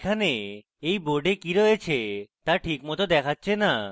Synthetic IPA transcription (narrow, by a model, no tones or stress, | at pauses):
kʰane | ejboɾɖekiɾɔet͡ɕʰet̪aɾʈʰikmɔt̪od̪ɛkʰatːɕʰena